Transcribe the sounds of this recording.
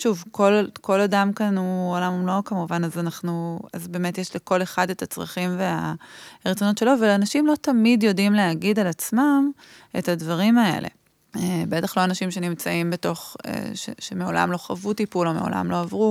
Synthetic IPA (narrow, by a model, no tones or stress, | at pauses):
ʃuvko̞lko̞ladamkanuolamumlokamuvanazanaχnua̰zbe̞ːmetjeʃleko̞le̞χadetat͡sʁa̰χimveaʁet͡sono̞tʃe̞lo̞velanaʃimlo̞tamidjo̞dimleaɡidalat͡smam | e̞̰thadvaʁimae̞̰lʔḛ | ebetaχlo̞anaʃimʃe̞nimt͡saimbeto̞χḛʃḛʃemeo̞la̰mlo̞χavutipulo̞meo̞̰lʔa̰mlo̞avʁu